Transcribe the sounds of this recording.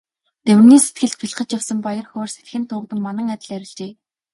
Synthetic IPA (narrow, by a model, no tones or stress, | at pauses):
t̪ewɘ̆rniːse̥t̪ɡɘ̆ɮt̪̚pʰiɮ̆χə̆t͡ɕjawsə̆mpajə̆rxʊːrse̥t̪xɘ̆nt̪ʰʊːkt̪ə̆mːanə̆ŋat̪ʲɪ̆ɮæɾʲɪ̆ɮt͡ɕeː